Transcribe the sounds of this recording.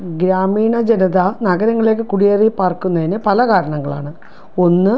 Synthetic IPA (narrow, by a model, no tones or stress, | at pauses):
ɡɾaːmiːɳɐd͡ʑenɐðanɐɡɐɾɐŋːɐɭileːkːɨkuɽijeripaːrkːunːɐðinɨpɐlɐkaːɾɐɳɐŋːɐɭa̰ːɳɨ | o̞nːɨ